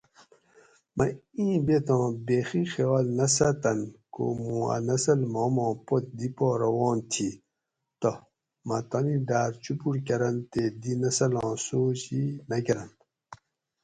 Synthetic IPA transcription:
mʔɐ̰ĩːbet̪ɑ̃ːbeːxixewaːlnɐsɐt̪ɐnko̰mũːa̰nɐsɐlmoːmõːpot̪̚d̪ipoːɾɐwɔ̃ːnt̪ʰi | t̪o | mɐt̪ɐnĩɖaːɾt͡ɕupuɾkɐɾɐnt̪ed̪inɐsɐlɑ̃ːsoːɕinɐɡɐɾɐn

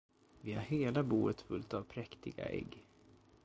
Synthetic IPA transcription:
vɪhaɾheːlabuːət̪fɵlt̪avpʰɾɛkt̪ɪɡa̰ʔɛ̰ɡː

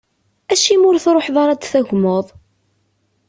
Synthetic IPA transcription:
æʃimʊɾθɾˤoħðˤɑɾˤɑd̪θæʝmoðˤ

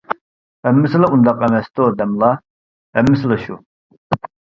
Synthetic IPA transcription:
hɛmːɪsɨlaund̪ɑqɛmɛst̪od̪ɛmlˠɑ | ɛmːɪslɛʃu

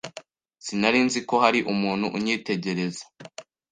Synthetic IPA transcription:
sinaɾiːnziko̞haɾiʔumuːnhuʔuɲiːte̞ɟe̞ɾe̞zḁ

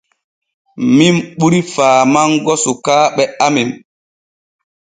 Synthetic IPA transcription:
mimɓuɾifaːmaŋɡɔsukaːɓɛamim

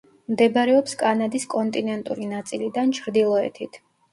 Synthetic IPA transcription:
md̪ɛbɾɛɔpskʼanad̪iskʼɔnt̪ʼinɛnt̪ʼṵɾinat̪sʼilid̪ant͡ʃʰɾd̪ilˠɔɛ̰t̪ʰit̪ʰ

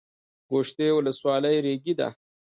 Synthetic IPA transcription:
ɡoʃt̪ewʊləswɑləjɾeɡid̪a̰

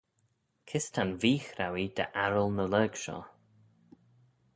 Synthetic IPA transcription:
kʰɪst̪ʰanviːxɾawid̪̥ə̰ʔaɹəlˠnələːɡʃɔ̰

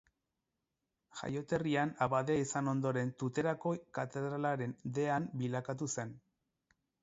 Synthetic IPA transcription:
ʝa̰jo̞t̪e̞rianaβaðeisano̞nd̪o̞ɾe̞nt̪ut̪e̞ɾako̞kat̪e̞ðɾalaɾe̞nd̪e̞ambilakat̪̬use̞n

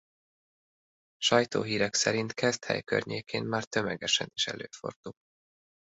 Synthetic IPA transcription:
ʃɒjt̪o̰ːɦiːɾɛksɛɾint̪kɛzt̪hɛ̰jkø̰rɲeːkʰeːmmaːrt̪ømɛɡɛʃɛniʃɛ̰løːfo̞̰rd̪ul

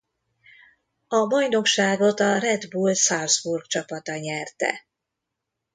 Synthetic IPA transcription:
ɒbɒjno̞kʃaːɡo̞t̪ɒrɛd̪bulsalsburɡt͡ʃɒpɒt̪ɒɲɛrt̪ɛ̰

